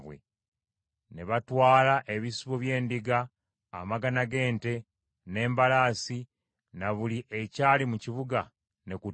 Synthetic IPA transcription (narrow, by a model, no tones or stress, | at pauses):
βwḛ | ne̞βatwaːlaʔe̞βisiβoβje̞ːndiɡaː | maɡanaɡe̞ːnte̞ | ne̞ːmbalaːsi | naβuliʔe̞caːlimuciβuɡa | ne̞ku